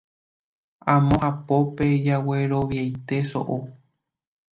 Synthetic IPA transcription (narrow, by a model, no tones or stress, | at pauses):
ãmõhapo̞ped͡ʒaweɾo̞ʋjajt̪e̞so̰ʔo